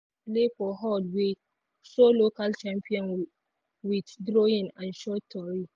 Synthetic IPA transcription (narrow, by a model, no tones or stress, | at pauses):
lefɔɦɔdwe | ʃolokalt͡ʃãmpʰiɔ̃n | widdɾoĩnãnʃɔtʰːɔɹi